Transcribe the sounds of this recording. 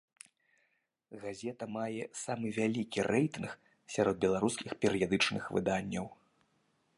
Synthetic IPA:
ɣazʲɛt̪ɐmajɛsamɨvʲalʲikʲirɛjt̪ɨnx | sʲaɾɔd̪̚bʲɛlˠaɾuskʲixpʲɛɾɨjad̪ɨt͡ʂnɨxvɨ̰d̪anʲːɐw

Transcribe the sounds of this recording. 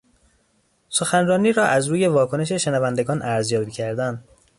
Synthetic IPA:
so̞xænrɒːniːɾɒːʔæzɾuːje̞vɒːkʰo̞ne̞ʃ̬eʃe̞nævænd̪eɡɒːnʔæɾzjɒːbiːcʰæɾd̪ænd̪

